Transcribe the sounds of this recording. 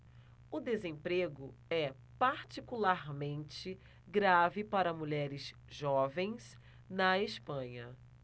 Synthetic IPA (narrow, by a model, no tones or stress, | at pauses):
ʊd̪ezẽpɾeɡʊɛ | paɾt͡ʃikulaɾmẽnt͡ʃɪ | ɡɾavɪpaɾɐmuʎɛɾɪz | ʒɔvẽj̃s | nɐespɐ̃ɲɐ